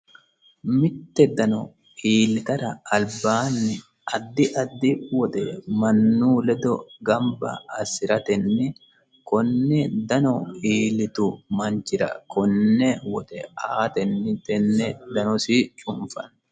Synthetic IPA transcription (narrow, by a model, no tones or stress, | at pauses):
mɪt̪ːɛd̪ɐnɔ | iːlɪt̪ɐt̪ɐːlbaːnːɪ | ʔɐd̪ːɪʔɐd̪ːɪwɔt̪ɛmɐnːuːlɛd̪ɔɡɐmbɐ̰ːsɪɾɐt̪ɛnːɛ | kɔnːɛd̪ɐnɔiːlɪt̪ʊmɐnd͡ʒɪɾɐ̰kʰɔnːɛwɔt̪ɛaːt̪ɛnːɪt̪ɛnːɛd̪ɐnɔsit͡ʃʼʊmfɐ̰n